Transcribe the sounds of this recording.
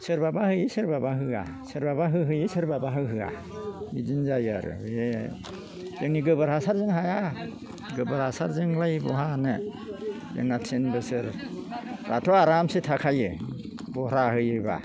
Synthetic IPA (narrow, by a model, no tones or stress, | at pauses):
sɯɾbabahɯjisɯɾbabaɦɯa̰ | sɯɾbabaɦɯɦɯjisɯɾbabaɦɯɦɯa̰ | bizinzajaɾɯ̰ee | zɯŋniɡɯbɯɾhasaɾzɯŋɦaja | ɡɯbɯɾasaɾzɯŋlajbɔɦanɯ | jɯ̰ŋnatʰinbɯsɯɾ | ɾʔa̰tʰɔaɾamsetʰakʰajɯ | bɔhɾahɯjɯba̰